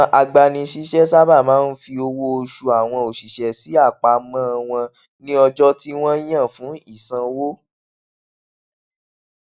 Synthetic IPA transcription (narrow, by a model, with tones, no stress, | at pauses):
ʔa˨ɡ͡ba˧nĩ˧ʃi˦ʃɛ˦sa˦ba˦˨mãː˨˦n̩˦fi˧o˧wo˦o˧ʃu˧a˨w̃ɔ̃˧o˨ʃi˨ʃɛ˨si˨˦a˦˨k͡pa˨mã˦˧w̃ɔ̃˧ | nĩ˦ɔ˧d͡ʒɔ˦ti˦w̃ɔ̃˦j̃ã˦˨fũ˨˦i˦˨sã˧wo˦